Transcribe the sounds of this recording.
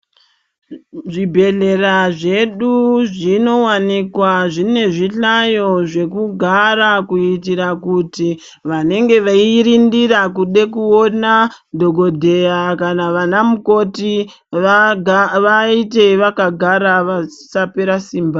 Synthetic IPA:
ʐibʱe̞ɮe̞ɾaʐe̞ɗuʐino̞wanikwaʐine̞ʐiɬajo̞ʐe̞kuɡʱaɾakuitiɾakuti | ʋane̞ŋɡe̞ʋaiɾindirakuɗe̞kuona | dʱo̞ɡo̞dʱejakanaʋanamuko̞ti | ʋaite̞ʋakaɡʱaɾaʋasape̞ɾasiːmba

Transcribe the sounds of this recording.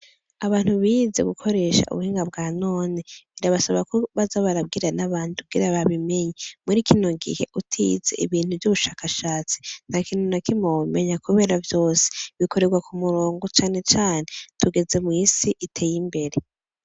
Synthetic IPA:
aβaːn̥huβize̞̰ɡukʰo̞ɾe̞ːʃa̰ʔṵβuhiːŋɡabɡaːno̞ːneβiɾaβasaβakoβazaβaɾab̚ɡiːɾanaβaːndukuɡḭɾaβaβime̞ɲemuɾikʰino̞ŋɡḭhe̞ʔutʰḭze̞̰ʔḭβiːn̥huvjuβuʃaːkaʃaːt͡si̥n̥hakiːnonakimoume̞ɲakuβe̞ːɾavjo̞ːse̥βiko̞ɾe̞ɾɡwakumuɾoːŋɡot͡ʃaːne̞t͡ʃaːnetuɡe̞ze̞mŋisiʔitʰe̞jimbe̞ɾe̞

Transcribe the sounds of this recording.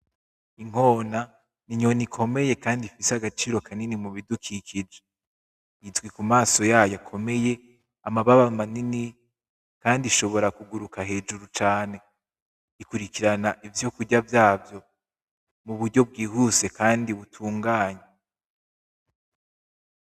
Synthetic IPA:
iŋ̥ho̞ːna | niɲo̞nikʰo̞me̞je̞kaːndifiseaɡat͡ʃiːɾo̞kʰaninimuβidukʰikʰid͡ʒe | izɡwikumaːso̞jaːjakʰo̞me̞je̞ | amaβaβamanini | kaːndiʃo̞βo̞ɾakuɡuɾukaɦe̞ːd͡ʒuɾut͡ʃaːne̞ | ikuɾikiɾanaʔivjo̞kuɟavjaːvjo̞ | muβuɾɟo̞b̚ɡiːhuse̞kaːndiβutʰuːŋɡaːɲe

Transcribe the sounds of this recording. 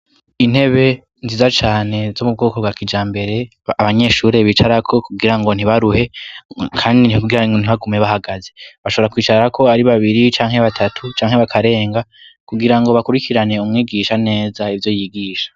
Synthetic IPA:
in̥he̞βe̞ | nziːzat͡ʃaːne̞zo̞mub̚ɡo̞ːko̞bɡwakid͡ʒaːmbe̞ɾe̞ | aβaɲe̞ʃuːɾe̞βit͡ʃaɾakʰo̞kuɡiɾaŋɡo̞n̥iβaɾuhe̞kʰaːndikuɡiɾaɡon̥iβaɡumɲe̞βahaɡaze̞βaʃoβoɾakwiːt͡ʃaɾakʰo̞aɾiβaβiɾit͡ʃaːŋɦe̞βatʰatʰut͡ʃaːŋhe̞βakʰaɾe̞ːŋɡakuɡiɾaŋɡo̞βakuɾikʰiɾane̞umŋiːɡiʃane̞ːzaivjo̞jiɡiːʃḁ

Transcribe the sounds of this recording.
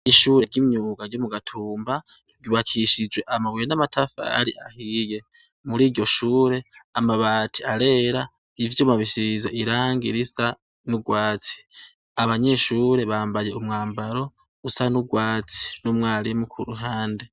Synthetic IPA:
iʃuːɾeɡɟimɲuːɡaɾɟomuɡatʰuːmba | juβakʰiʃid͡ʒwe̞ʔamawijenamatʰafa̰ɾiʔa̰hije̞ | muɾiːɟo̞ʃuːɾe̞amaβaːtʰiaɾe̞ːɾa | ivjumaβiʃizeʔiɾaːŋɡiɾisa | nuɡwaːt͡si̥ | aβaɲe̞ʃuːɾe̞βaːmbaje̞umŋaːmbaɾo̞ | usanuɡwaːt͡si̥numŋaːɾimukʰuɾuɦaːnde

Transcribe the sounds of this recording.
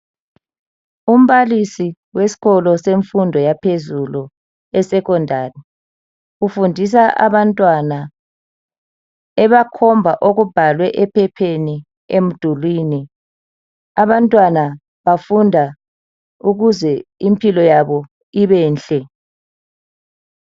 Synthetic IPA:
um̩βalisi | wesi̥ɣɔlɔseɱfundʱɔjapʰezulu | ɛsɛɣɔndʱari | ɣufundʱis̬aʔa̰βantʼwana | ɛβakʰɔmbvʱaʔoɣub̥ʱalwɛʔɛpʰɛpʰeni | em̩d̥ʱulwini | aβantʼwana | βafundʱa | uɣuzɛimpʰilɔjaβɔ | iβɛːnɬɛ

